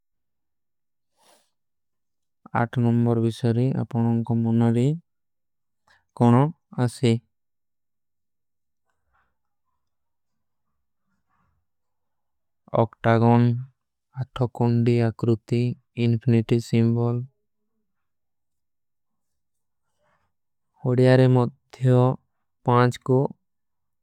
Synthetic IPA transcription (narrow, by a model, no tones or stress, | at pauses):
a̰ʈʰnɔmbɔɾbisaɾia̰pɔɽ̃ɔŋkɔmɔnaɾi | kɔɽ̃ɔ | asi | ɔ̰kʈaɡɔn | aʈʰɔkɔɳɖiakɾut̪iː | npʰiniʈisimbɔl | ɔɽijaɾɛmɔd̪ʱjɔ | pãt͡ʃkɔ